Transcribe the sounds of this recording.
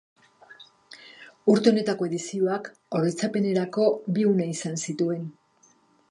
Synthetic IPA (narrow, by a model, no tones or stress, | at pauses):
uɾt̪e̞o̞ne̞t̪ako̞e̞ðisio̞ak | oɾejt͡sape̞ne̞ɾako̞biunaisansit̪ue̞n